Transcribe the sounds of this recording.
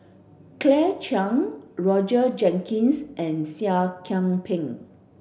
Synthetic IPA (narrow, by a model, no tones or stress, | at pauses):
klɛt͡ʃãŋɹɔd͡ʒəd͡ʒɛ̃ŋkʰĩnsʔɛ̃nsiakʰãŋpʰɪ̃ŋ